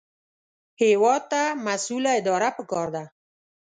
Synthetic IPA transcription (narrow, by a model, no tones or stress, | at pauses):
hewɑd̪̚t̪amasulaɪd̪ɑɾapəkɑɾd̪a